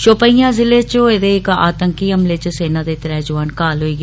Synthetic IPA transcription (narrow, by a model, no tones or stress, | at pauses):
ʃoːpəijãːzɪleːt͡ʃoed̪eːɪka̰ːt̪əŋkiːəmleːt͡ʃseːnaːd̪eːt̪əɾɛɦd͡ʒʊʋaːnkaːlɦoiːɡ